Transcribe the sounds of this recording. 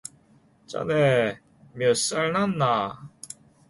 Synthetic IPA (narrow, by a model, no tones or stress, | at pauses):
t͡ɕa̰ne | mjʌs͈aɭnanːa